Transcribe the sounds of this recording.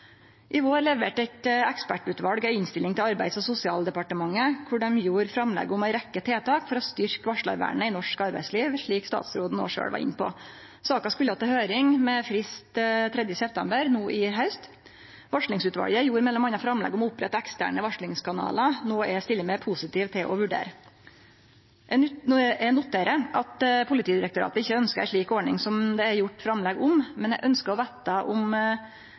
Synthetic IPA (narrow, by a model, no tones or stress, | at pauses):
ʔɪʋoːɾlɛʋɛːʈæɪt̪ɛkspæʈʉːt̪ʋɑɽɡɛɪnst̪ɪlːɪŋt̪ʰɪlɑɾbæɪd̪sɔsʊsɪɑ̰ːld̪ɛpɑʈəmɑŋːəkʰʊɖɛmjuːɾfɾɑmlɛ̰ɡːəʊmæɪɾɛkːət̪ʰeːt̪ʰɑːkfɔɾɔst̪ʏɾkʋɑʂɭɑ̰ɾʋæ̰ːɳəɪnɔʂkɑɾbæɪsliːʋʂɭiːkst̪ɑ̰ːt̪sɾoːd̪n̩o̰ːʂø̰ːɽʋɑ̰ɾɪ̰npɔ̰ | sɑːkɑskʉlːəɑt̪ːɛhøːɾɪŋmɛfɾɪst̪t̪ʰɾɛd̪jəsɛpt̪ʰɛmbəɾnuːʔɪɦɑʉst̪ | ʋɑʂɭɪŋsʉːt̪ʋɑ̰ɽjəæjuːɾmɛlːɔmɑnːɑfɾɑmlɛ̰ːɡɔmɔʊpːɾɛt̪ːɛkst̪æ̰ːɳəʋɑʂɭɪŋskʰɑnɑ̰ːlɑnoːɛst̪ɪlːəmɛpʰʊsɪt̪iːʋt̪ʰɪlʔɔʋʉɖḛːɾə | ʔɛnːʊt̪ʰːeːɾəʔɑt̪pʰʊlɪt̪ʰiːd̪ɪɾək̚t̪ʊɾɑ̰ːt̪əɪçːəœnskəæʂɭiːkoːɳɪŋsɔmd̪ɛæɾjʊʈːfɾɑmlɛɡʊmmɛnɛ̰ɡʔœnskəɔʋeːt̪ɑʔʊm